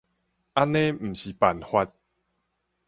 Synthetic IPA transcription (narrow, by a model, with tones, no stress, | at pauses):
a˦nẽ˦m̩˨˩ɕi˨pa˨˩nhwa˧t̚